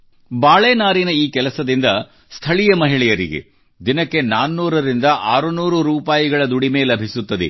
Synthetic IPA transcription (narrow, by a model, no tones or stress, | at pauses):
baːɭeːnaːɾinɐiːkɛlɐsɐd̪ind̪ɐ | st̪ʰɐɭijɐmɐɦiɭɛjɐɾḭɡe̞̰ | d̪inɐkːe̞naːnːuːɾɐɾind̪ɐʔaːɾunuːɾuɾuːpaːjiɡɐɭɐd̪uɽimeːlɐbʱisut̪ːɐd̪ḛ